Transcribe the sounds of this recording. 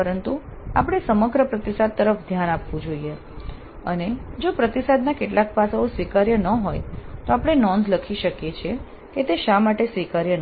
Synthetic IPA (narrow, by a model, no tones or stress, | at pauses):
əɾənt̪uapɽ̃esəməɡɾəpɾət̪isad̪̚t̪əɾəfd̪ʱjanapʋũd͡ʒoie | əned͡ʒopɾət̪isad̪nakeʈlak̚pasaosʋikaɾjənəɦojt̪oapɽ̃enɔnd̪ləkʰiʃəkjet͡ʃʰe | ket̪eʃamaʈesʋikaɾjən